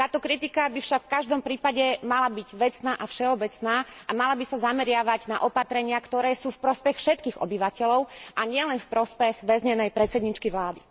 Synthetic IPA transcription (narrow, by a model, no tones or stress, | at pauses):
t̪aːt̪ɔkɾit̪ikabifʃakfkaʒd̪ɔmpɾiːpaɟɛmalabiɟʋɛt͡snaːʔafʃɛɔbɛt͡snaːʔamalabisazamɛɾɪaʋaɟna̰ʔɔpat̪ɾɛɲɪakt̪ɔɾɛːsuːfpɾɔspɛxfʃɛt̪kiːɣɔ̰biʋacɛlɔʊʔaɲɪɛlɛnfpɾɔspɛɣʋɛzɲɛnɛjpɾɛt̪t͡sɛd̪ɲiːt͡ʃkiʋlaːd̪i